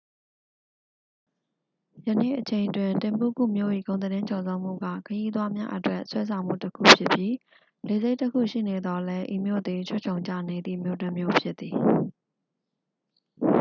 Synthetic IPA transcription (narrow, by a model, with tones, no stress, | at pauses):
jə˨nḛ˦˨ʔət͡ɕʰẽ˨ɪ̃ntwɪ̃˨ntɪ̃˨mpṵ˦˨kṵ˦˨mjo̰˦˨ʔi˨ɡõ˨ʊ̃nəɾɪ̃˦t͡ɕʰɔ˨zã˦ʊ̃m̥ṵ˦˨ɡä̰˦˨kʰəji˦t̪̬wa˦mja̰˦ʔətwɛ˦ʔswɛ˦sʰã˨ʊ̃m̥ṵ˦˨təkʰṵ˦˨pʰjɪ˦pji˦ | le˨ze˦tːəkʰṵ˦˨ʃḭ˦˨ne˨d̪ɔ˦lɛ˦ʔḭ˦˨mjo̰˦˨d̪e˨t͡ɕʰʊ˦˨t͡ɕʰõ˨ʊ̃ɲd͡ʑä̰˦˨ne˨d̪ðḭ˦˨mjo˦˨tə˦˨mjo˦pʰjɪ˦t̪t̪ːi˨